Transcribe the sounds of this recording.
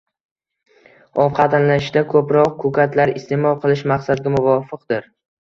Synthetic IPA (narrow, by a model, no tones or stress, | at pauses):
ɒvqʰɑt̪ʰanlaɪʃd̪akʰɵpɾɒq̚kʰʊkʲat̪laɾɪst̪e̞mɒlˠqʰɨlˠɪʃmaqsad̪ɪɡʲamʊvɒfɨqd̪ɪɾ